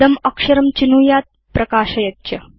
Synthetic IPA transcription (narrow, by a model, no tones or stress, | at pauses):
ɐmɐkʂɐɾɐmt͡ʃinuːjaːt̪̚ | pɾɐkaːʃɐjɐtt͡ʃɐ